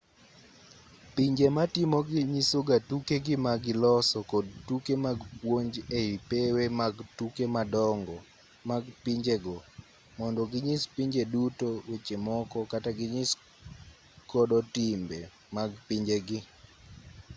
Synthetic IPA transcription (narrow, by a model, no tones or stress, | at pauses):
piɲd͡ʒematɪmoɡɪɲisoɡatukeɡɪmaɡɪlɔsɔkɔd̚tukemaɡpwoɲd͡ʒeipewemaɡtukemadɔŋɡɔ | maɡpiɲd͡ʒeɡɔ | mɔndɔɡɪɲispiɲd͡ʒedutowet͡ʃemɔkɔkataɡɪɲis | kɔdɔtimbe | maɡpiɲd͡ʒeɡɪ